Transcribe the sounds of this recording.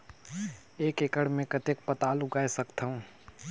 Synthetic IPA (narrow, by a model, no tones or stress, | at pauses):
eːkekəɽmẽkət̪ek̚pət̪aːlʊɡaːesəkt̪aũ